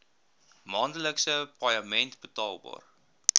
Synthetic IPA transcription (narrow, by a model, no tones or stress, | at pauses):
mɑːndələksəpɐjɑmɛntbətɑːlˠbɑ̰ːr